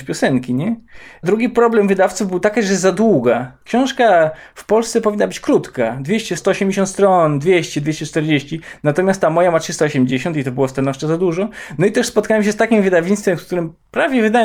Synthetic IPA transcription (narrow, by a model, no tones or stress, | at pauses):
pʲjɔsɛŋkʲiɲɛd̪ɾuɡʲipɾɔblɛmvɘd̪aft̪suvbɘwt̪akʲaʐɛzad̪wuɡakɕɔ̃w̃ʂkafpɔlst̪sɛpɔvʲinːabɘt͡ɕkɾut̪kad̪vʲeɕt͡ɕɛst̪ɔɔːɕɛmʲd͡ʑeɕɔ̃nt̪st̪ɾɔnd̪vʲjeɕt͡ɕɛd̪vʲeɕt͡ɕɛt͡ʂt̪ɛɾd͡ʑeɕt͡ɕinat̪ɔmʲast̪ːamɔjamatʂɘst̪aɔɕɛmd͡ʑeɕɔ̃nt̪̬it̪ɔbɘwɔst̪anɔʂt͡ʂɛzad̪uʐɔnɔit̪ɛʂspɔt̪̚kawɛmɕ̬ɛst̪akʲimvɘd̪avʲeɲst̪fɛmsk̚t̪uɾɘm | pɾavʲjɛvɘd̪a